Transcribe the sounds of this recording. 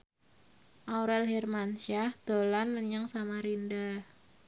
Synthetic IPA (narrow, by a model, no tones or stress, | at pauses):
ʔauɾɛlɦirmanʃahd̪̥olanməɲaŋsamaɾindah